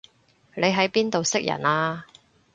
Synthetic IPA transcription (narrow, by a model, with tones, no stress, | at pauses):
le˨˧jɦɐ˨˥jpiː˥nt̪o˨wsɪ˥k̚jɐ̰˨˩naː˧